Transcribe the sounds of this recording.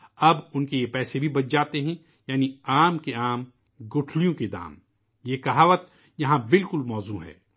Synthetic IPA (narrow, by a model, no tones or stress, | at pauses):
ɐbʊnkejepɛːsebʱibɐt͡ʃ̚d͡ʒaːt̪eɦɛ̃ | jaːniaːmkeaːm | ɡʊʈʰlijõked̪a̰ːm | jekɐɦaːʋət̪̚ | jɐɦãbɪlkʊlmɔːzuɦɛ̰ː